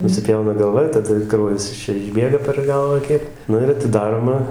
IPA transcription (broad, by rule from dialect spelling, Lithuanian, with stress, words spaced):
nʊsʲɪˈpʲjɛʊnɐ ɡɐlˠˈʋɐ ɪr tɐˈdɐ ˈkrɐʊjɛs ɪʃ ˈt͡ʃʲɛ ɪʒʲˈbʲeːɡɐ pʲɛr ˈɡɐlˠʋɑː ˈkʲiɛk ˈnʊ ɪr ɐtʲɪˈdɑːroːmɐ